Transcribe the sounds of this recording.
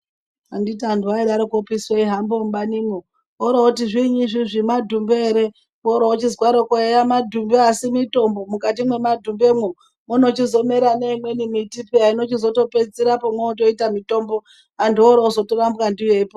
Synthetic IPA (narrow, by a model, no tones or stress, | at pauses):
anditanduwaiɾaɾokopisweiɦambombanimo | oɾaotiʐiɲiʐiʐimadʱumbeeɾe | oɾaot͡ʃizwaɾokoejamadʱumbeasimito̞mbo̞mukat̬imwe̞madʱumbe̞mwo | mono̞t͡ʃizo̞meɾaneimwe̞nimitipiaino̞t͡ʃizo̞to̞pet͡siɾapomweot̬o̞itamito̞mbo̞ | andioɾaozo̞toramukandijepo